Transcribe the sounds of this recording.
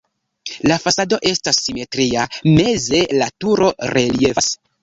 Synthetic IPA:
lafasado̞ʔe̞stasːime̞tɾiame̞ze̞latuɾo̞ɾe̞lie̞fas

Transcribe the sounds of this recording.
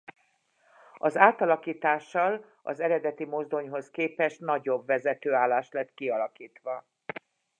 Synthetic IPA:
ɒzaːt̪ɒlɒkiːt̪aːʃːɒl | ɒ̰zɛɾɛd̪ɛt̪imo̞zd̪o̞ɲɦo̞skeːpɛʃt̪nɒɟo̞bʋɛzɛt̪øːaːlːaːʃt̪lɛt̪kiɒlɒkiːt̪ʋɒ

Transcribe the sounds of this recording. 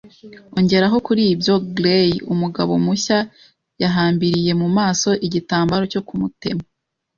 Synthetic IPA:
o̞ɲɟe̞ɾaɦo̞kuɾiːbjo̞ɡlejumuɡa̰βo̞̰muça | jaɦaːmbiɾije̞mumaːso̞ʔiɟitaːmbaɾo̞co̞kumute̞ma

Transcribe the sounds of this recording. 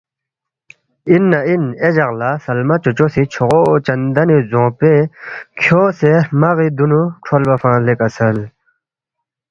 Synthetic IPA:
inːained͡ʑɐɣlasɐlmat͡ɕot͡ɕosit͡ɕʰoʁot͡ɕɐnd̪ɐnizõːpekʰjoːsemɐɣid̪unuʈ͡ʂʰolbɐfãːlekɐsɐl

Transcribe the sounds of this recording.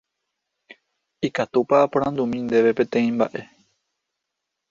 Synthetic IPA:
ikat̪upapoɾ̃ãnd̪umĩnd̪e̞ʋe̞pẽ̞t̪ẽ̞ĩmba̰ʔe̞

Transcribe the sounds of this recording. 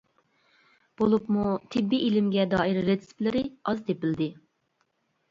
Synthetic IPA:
b̥olˠupmut̪ʰɪbːiʔilɪmɡʲɛd̪ɑːiɾːesplɪɾɪɑzd̪ʰepɪld̪ɪ

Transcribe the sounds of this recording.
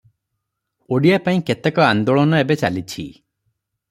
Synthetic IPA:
oɽijapaĩket̪ekɔand̪oɭɔnɔebet͡ʃalit͡ʃʰḭ

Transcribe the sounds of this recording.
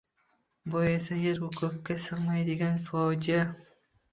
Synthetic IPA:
bojasajeɾhʊkʰʊp̚kʲːasɨʁmajd̪ɪɡʲanfɒd͡ʒija

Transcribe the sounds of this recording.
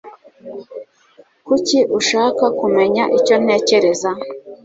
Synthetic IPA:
kuciʔuʃaːkakume̞ɲaʔico̞n̥e̞ːce̞ɾe̞za

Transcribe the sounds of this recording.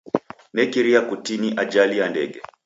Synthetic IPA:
nɛkiɾiakutiniʔad͡ʒalijandɛ̰ɡɛ

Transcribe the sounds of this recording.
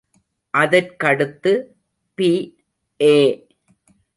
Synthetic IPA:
ʔɐðɐɾkɐɽɯt̪ːɯ | piː | ʔeː

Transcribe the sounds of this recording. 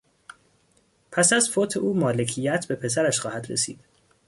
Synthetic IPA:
pʰæsæzfoːt̪ʰeʔuːmɒːle̞cʰijæt̪ʰbe̞pʰe̞sæɾæʃxɒːhæd̪ɾe̞̰sḭːd̪̥

